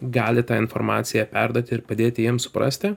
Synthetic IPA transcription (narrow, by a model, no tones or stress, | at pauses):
ɡɑːlʲɪt̪ɑːɪnfɔɾmɑ̰ːt̪sʲɪjæpʲæɾd̪oːt̪ʲɪɪɾpɐd̪ʲeːt̪ʲɪjiɛmsʊ̥pɾɐ̰sʲt̪ʲɪ